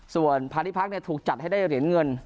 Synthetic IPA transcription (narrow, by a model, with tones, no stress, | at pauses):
su˨˩ənpʰaː˧ni˦˥pʰa˦˥k̚ni˥˩ɐt̪ʰuː˨˩k̚t͡ɕa˨˩t̪̚ha˥˩jdaː˥˩jɾi˩˦ənŋɤ˧n